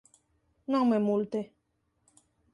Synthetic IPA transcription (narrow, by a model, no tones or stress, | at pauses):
nɔ̃memult̪e